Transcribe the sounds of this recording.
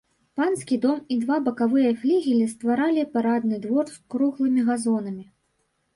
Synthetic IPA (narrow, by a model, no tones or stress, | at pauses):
panskʲid̪ɔmid̪vabɐkavɨjɐfʲlʲiɣʲilʲist̪vaɾalʲipaɾad̪̚nɨd̪vɔrskɾuɣlˠɨmʲiɣazɔnɐmʲi